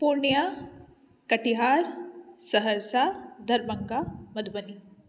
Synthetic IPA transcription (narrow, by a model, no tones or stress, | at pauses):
puɾɳija | kɐʈiɦaːɾsɐɦəɾsad̪ʱɐɾbɐŋɡamɐd̪ʱbəni